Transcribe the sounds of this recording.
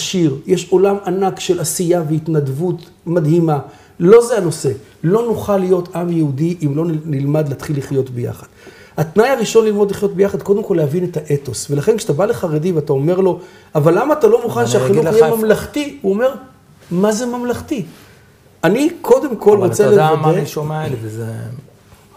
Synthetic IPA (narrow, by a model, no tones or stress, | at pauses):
aʃiʁjeʃo̞lamanakʃe̞lasijaveitnadvut̪ | mad̪hima | lo̞zeano̞se̞ | lo̞nuχalijo̞tamjehudiʔimlo̞nnilmad̪leat̪χilːiχjo̞tbeja̰χad̥̪ | hatnajaʁiʃo̞nlilmo̞dliχjo̞t̚bejaχad̪ko̞d̪emko̞leavine̞taʔe̞to̞sve̞laχe̞nkʃat̪abaleχaʁediveatao̞me̞ʁlo̞ | avalːamaːt̪alo̞muχanʃeaχiluijemamlaχtiuo̞me̞ʁ | maze̞mamlaχti | anikʰo̞d̪e̞mko̞lʁot͡selevameomalze